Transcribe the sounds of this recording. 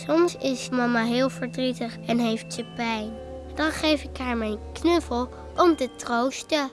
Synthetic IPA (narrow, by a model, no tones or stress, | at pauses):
sɔmsɪsmɑmaɦɪːlˠvəɹdritəχɛnɦejftsəpɛjn | d̥ɑnχejfɪkɦaɹmɛjnknøfəlˠ | ʔɔmtətrowstə